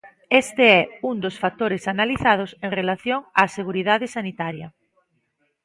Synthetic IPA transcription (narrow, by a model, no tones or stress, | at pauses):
est̪ɪɛuŋd̪osfak̚t̪oɾesanaliθað̞ʊseŋrelaθjoŋaːseɣuɾiðaðɪsanit̪aɾjɐ